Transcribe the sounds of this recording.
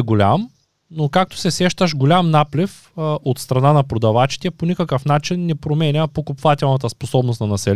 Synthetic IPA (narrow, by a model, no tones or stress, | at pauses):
ɡolʲam | nokak̚t̪o̥sɛsɛʃt̪əʃɡolʲamnaplif | ot̪st̪ɾɐnanɐpɾod̪ɐvat͡ʃi̥t̪ɛponʲikəkəfnat͡ʃinːɛpɾomɛnʲəpokopvat̪ʲɛlˠnɐt̪əsposɔbnost̪nɐnɐsɛl